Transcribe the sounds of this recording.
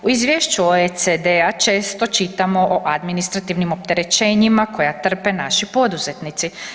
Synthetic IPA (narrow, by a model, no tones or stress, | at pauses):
uizʋje̞ʃt͡ɕuoesed̪eat͡ʃe̞ːst̪o̞t͡ʃit̪amo̞ʔoʔad̪minist̪ɾat̪iʋnimo̞pt̪e̞ɾe̞t͡ʃe̞ːɲimako̞jat̪r̩pe̞naʃipo̞d̪uze̞t̪nit̪si